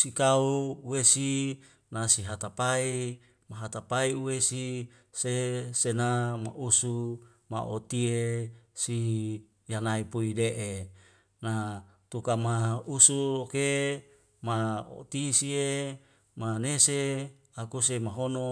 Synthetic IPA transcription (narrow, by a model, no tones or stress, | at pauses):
sikauːwesi | nasiɦat̪apai | maɦat̪apaiuwesi | sesenama̰ʔusu | ma̰ʔot̪iesi | janaipuideʔe | na | t̪ukamausuloke | mao̰t̪isie | manese | akusemaɦono